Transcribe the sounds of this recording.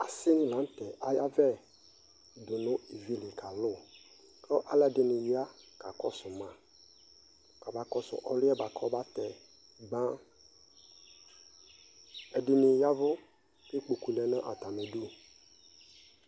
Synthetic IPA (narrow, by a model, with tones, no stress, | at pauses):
a˨sɪ˦ŋ˦lã˨˦n˦t̪ɛ˨ʔa˨ja˦vɛ˦˨ | d̪ʊ˨nʊ̃˦i˨vi˦lɪ˨kʰa˨lʊ˦˨ | klɔ˦ʔa˦lɛ˦˨dɪ˨nɪ̃˨ja˦ka˨kɔ˦sʊ˨mã˨ | ka˨ba˨kɔ˦sʊ̰˨ʔɔ˦lʊ˦ɛ˦ba˨kʰɔ˦ba˦t̪ɛ˨ | ɡ͡bã˦ | ɛ˨dɪ˨nɪ̃˨ja˦vʊ˦ | kɪ˦k͡pu˨ku˨lɛ˨nã˦ʔa̰˨t̪a˨mɛ˨du˦